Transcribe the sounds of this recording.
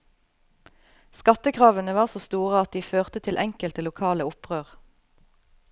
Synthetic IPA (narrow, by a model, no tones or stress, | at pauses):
skɑt̪əkʰʁɑːʋənəʋɑːʁsoːst̪uːʁəɑt̪̚d̪iːføːʁt̪ət̪ʰɪlʔɛŋkəlt̪əlʊkʰɑːləʊpʁøːʁ